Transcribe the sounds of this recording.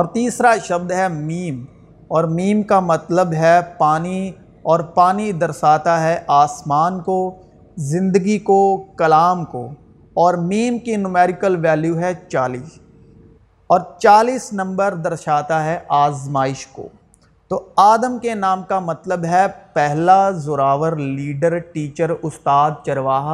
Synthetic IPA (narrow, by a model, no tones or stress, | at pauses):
ɔːɾt̪iːsɾaʃɐb̚d̪ɦɛmiːm | ɔːɾmiːmkamɐt̪ləbɦɛpaːni | ɔːɾpaːnid̪ɐɾsaːt̪aɦɛʔaːsmaːnko | zɪ̃nd̪əɡikokɐlaːmko̰ | ɔːɾmiːmkinʊmɛːɾɪkəlʋɛːljuɦɛt͡ʃaːliːs | ɔːɾt͡ʃaːliːsnɐ̃mbəɾd̪ɐɾʃaːt̪aɦɛʔaːzmaːɪʃko̰ː | t̪oaːd̪əmkenaːmkamɐt̪ləbɦɛpɛɦlazʊɾaːʋəɾliːɖəɾʈiːt͡ʃəɾʊst̪aːd̪̚t͡ʃɐɾʋaːɦa